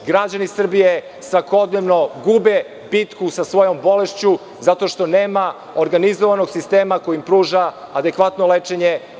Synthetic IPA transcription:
ɡɾad͡ʑanisr̩bije | sʋako̞d̪neʋno̞ɡube | bit̪kusasʋo̞jo̞mbo̞le̞ʃt͡ɕu | zat̪o̞ʃt̪o̞neːma | oɾɡanizoʋanoɡsist̪eːmakojimpɾuːʒaːd̪e̞kʋat̪nolet͡ʂeɲe

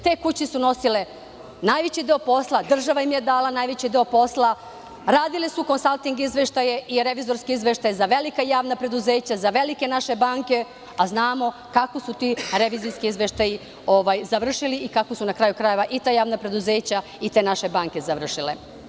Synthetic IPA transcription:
t̪e̞ːkut͡ɕisuno̞sile̞ | naːjʋet͡ɕid̪e̞opo̞slˠad̪r̩ʒaʋajimje̞d̪aːlanaːjʋet͡ɕid̪eopo̞slˠa | ɾaːd̪ilisuko̞nsalˠt̪iŋɡizʋeʃt̪ajeʔiɾe̞ʋizo̞ɾskiizʋe̞ʃt̪ajzaʋe̞likajaːʋnapɾe̞d̪uze̞ːt͡ɕazaʋe̞like̞naʃe̞baːŋke̞ | aznaːmo̞ | kakosut̪iɾe̞ʋiːziskiizʋe̞ʃt̪aji | o̞ʋajzaʋr̩ʃiliʔikakosunakɾajukɾaje̞ʋaʔit̪aːjaːʋnapɾe̞d̪uze̞ːt͡ɕa | it̪enaʃe̞baːŋke̞zaʋr̩ʃile

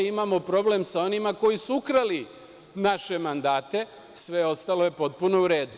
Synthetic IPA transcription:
imamo̞pɾo̞ble̞msao̞nimako̞jisuukɾali | naʃe̞mand̪aːt̪e̞ | sʋe̞o̞st̪alo̞je̞po̞t̪̚puno̞uɾe̞ːd̪u

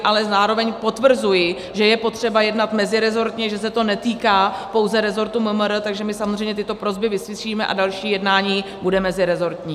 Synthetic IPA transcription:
ʔalɛzaːɾo̞vɛɲpo̞t̪vr̩zujɪ | ʒɛjɛpo̞t̪r̝̥ɛbajɛdnat̪mɛzɪɾɛzo̞ɾt̪ɲɛʒɛs̬ɛt̪o̞nɛt̪iːkaːpowzɛɾɛzo̞ɾt̪uməməɾət̪aɡʒɛmɪsamozr̝ɛjɲɛt̪ɪt̪o̞pɾo̞zbɪvɪsvɪʃiːmɛʔa̰dalʃiːjɛdnaːɲiːbudɛmɛzɪɾɛzo̞ɾt̪ɲiː

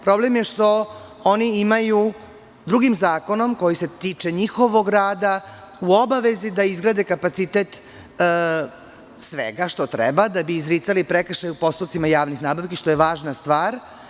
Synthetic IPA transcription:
pɾo̞blemjeʃt̪o̞ | oniimaju | d̪ɾuɡimzaːko̞no̞mko̞jise̞t̪iːt͡ʂe̞ɲixo̞ʋo̞ɡɾaːd̪a | uo̞baʋe̞zid̪aizɡɾaːd̪e̞kapat̪sit̪et̪ | sʋḛɡaʃt̪o̞t̪ɾḛbad̪abiːzɾiːt̪salipɾekʃajupo̞st̪osimajaːʋnixnaːbaʋkiʃt̪o̞jeʋaːʒnast̪ʋaːɾ

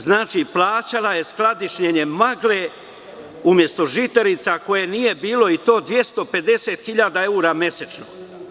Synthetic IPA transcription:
znaːt͡ʃiplˠaːt͡ɕalaje̞sklad̪iʃɲeɲe̞maɡle | umje̞st̪o̞ʒit̪eɾit̪sako̞jenije̞biːlo̞it̪o̞ːd̪ʋje̞st̪o̞pe̞d̪e̞se̞ːt̪xiʎaːd̪ae̞uːɾamje̞set͡ʃno̰

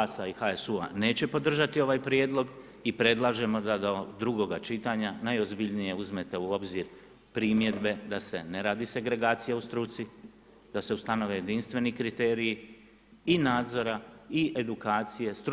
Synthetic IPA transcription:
asaixaesua̰ne̞ːt͡ɕe̞po̞d̪r̩ʒat̪io̞ʋaːjpɾje̞ːd̪lˠo̞ɡ | ipɾe̞d̪lˠaʒe̞mo̞d̪ad̪od̪ɾuɡo̞ɡat͡ʃit̪aːɲanajo̞zbiʎnije̞uzme̞t̪euo̞bziɾ | pɾimje̞d̪be̞d̪ase̞ne̞ɾaːd̪ise̞ɡɾe̞ɡaːt̪sijaust̪ɾut̪si | d̪ase̞ust̪ano̞ʋe̞je̞d̪inst̪ʋe̞nikɾit̪e̞ːɾiji | inaːd̪zo̞ɾaie̞d̪ukaːt̪sije̞st̪ɾ

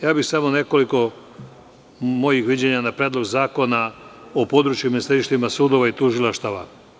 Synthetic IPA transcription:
jaːbixsamo̞ne̞ko̞liko̞ | mo̞jixʋid͡ʑe̞ɲanapɾed̪lˠo̞ɡzaːko̞naopo̞d̪ɾut͡ʃjuminist̪aɾiʃt̪imasuːd̪o̞ʋait̪uʒilaʃt̪aʋa̰

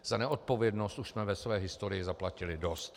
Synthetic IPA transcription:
z̥anɛʔo̞t̪̚po̞vjɛdno̞st̪ʔuʃsmɛvɛsvɛːɦɪst̪oɾɪjɪzaplacɪlɪdo̞st̪

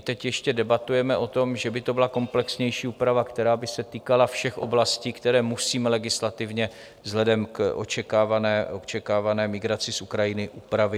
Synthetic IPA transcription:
t̪ɛcjɛʃcɛdɛbat̪ujɛmɛʔo̞t̪o̞mʒɛbɪt̪o̞bɪlako̞mplɛksɲɛjʃiːupɾavakt̪ɛɾaːbɪsɛt̪iːkalafʃɛxʔo̞̰blasciːkt̪ɛɾɛːmusiːmɛlɛɡɪslat̪ɪvɲɛ | zɦlɛdɛmkʔo̰t͡ʃɛkaːvanɛːʔot͡ʃɛkaːvanɛːmɪɡɾat͡sɪsukɾajɪnɪʔuːpɾavɪ

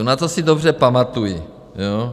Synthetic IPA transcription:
nat̪osidobr̝ɛpamat̪uji | joː

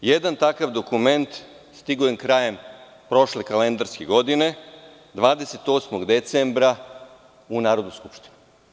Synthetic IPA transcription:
je̞d̪ant̪akaʋd̪o̞kume̞nt̪ | st̪iɡujemkɾaje̞m | pɾo̞ʃlekale̞nd̪aɾskeɡo̞d̪ine̞ | d̪ʋaːd̪eset̪o̞ːsmoɡd̪e̞t̪sembɾa | unaːɾod̪nojskupʃt̪i̥nu

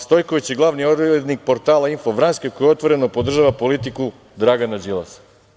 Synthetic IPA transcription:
st̪o̞jko̞ʋit͡ɕjeɡlˠaʋnioded̪nik̚po̞ɾt̪aːlainfoʋɾanskekojeo̞t̪ʋo̞ɾe̞nopod̪r̩ʒaːʋapo̞lit̪iku | d̪ɾaɡanad͡ʒilˠa̰s

